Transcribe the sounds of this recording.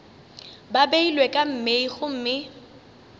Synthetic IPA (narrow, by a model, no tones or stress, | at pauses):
babeilwɛkʼam̩meiɣʊm̩ːmɪ